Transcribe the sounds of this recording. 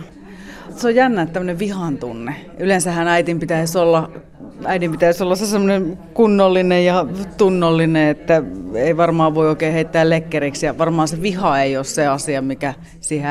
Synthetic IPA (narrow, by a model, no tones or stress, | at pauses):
seojjænːæːt̪æmːəneʋʋihɑnt̪unːe | ylensæhːænæit̪impit̪æisolːɑ | æidimpit̪æisolːɑssesemːonenkunːolːinejjɑt̪unːolːineet̪ːæeˑiʋɑrmɑːʋʋoioˑikeːheit̪ːæːllekːereksjɑʋɑrmɑːnseʋihɑeiosseɑsiɑmikæ | siːhe